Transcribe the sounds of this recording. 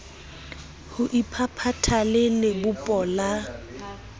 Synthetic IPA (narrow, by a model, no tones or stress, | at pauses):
hʊʔipʰapʰatʰalɪlɪbʊpʼɔla